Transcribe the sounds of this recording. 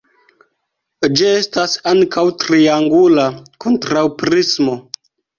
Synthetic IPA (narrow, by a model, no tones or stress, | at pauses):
d͡ʒie̞stasaŋkʰawtɾiaŋɡulako̞ntɾawpɾismo̞